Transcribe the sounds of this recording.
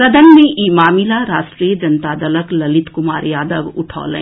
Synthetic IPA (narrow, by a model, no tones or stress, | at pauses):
ɾɐd̪ʱənmẽʔiːmaːmilaɾaːsʈɾijəd͡ʒɐnt̪aːd̪ɐləklɐlɪt̪kʊmaːɾjaːd̪əʋʊʈʰɔ̰ːlḛ̃